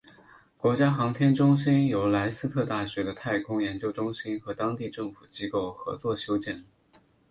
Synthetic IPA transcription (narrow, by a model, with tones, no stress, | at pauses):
kwɔ˧˥t͡ɕja˥xɑ˧˥ŋt̪ʰjɛ˥nʈ͡ʂʊ˥ŋɕ̬i˥njo˧˥ʊla˧˥ɪsɹ̩˥t̪ʰɤ˥˧t̪a˥˩ɕɥɛ˧˥d̪ə˧t̪ʰa˥˩ɪkʰʊ˥ŋjɛ˧˥nt͡ɕjo˥ʊʈ͡ʂʊ˥ŋɕi˥nxɤ˧˥t̪ɑ˥ŋt̪i˥˧ʈ͡ʂɤ˥˩ŋfu˨˩t͡ɕi˥ko˥˩ʊxɤ̰˧˥t͡swɔ˥˩ɕjo˥ʊt͡ɕjɛ˥˩n